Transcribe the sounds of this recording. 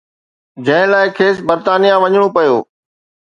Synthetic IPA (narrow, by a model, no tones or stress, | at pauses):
d͡ʑɐ̃ɦɪ̃laːɪkʰeːsbɐɾt̪aːnijãʋɐɲɽ̃opɐjoː